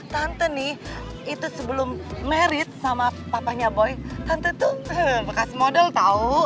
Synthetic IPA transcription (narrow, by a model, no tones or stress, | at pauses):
t̪ant̪ənɪh | it̪usəbəlʊmːeɾɪt̪̚samapapaɲabɔjt̪ant̪ət̪ʊbəkasimodɛlt̪au